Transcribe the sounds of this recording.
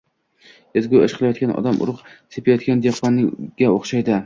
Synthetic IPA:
ezɡʲujɒʃqʰɨlˠajɒt̪̚kʲanʔɒ̰d̪amʔʊ̰ɾʊqsepʰajɒt̪̚ɡʲand̪eqːɒnɪɡʲaoχʃajd̪ɪ

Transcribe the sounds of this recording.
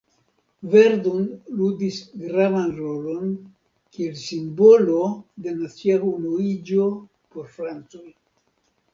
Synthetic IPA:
ve̞ɾdonludisɡɾavanɾo̞lo̞n | kielsimbo̞lo̞de̞nat͡siahumuid͡ʒo̞ | po̞ɾfɾant͡soj

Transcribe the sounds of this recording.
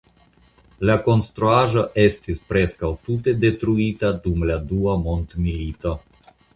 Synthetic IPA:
lako̞nstɾuaʒo̞ʔe̞stispɾe̞skawtute̞de̞tɾuitadumladuamo̞ntmilito̞

